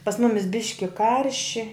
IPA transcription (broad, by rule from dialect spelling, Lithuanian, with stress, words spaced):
pɐs ˈmʊmʲɪs ˈbʲɪʃʲkʲɪ ˈkɐrʲʃʲɪ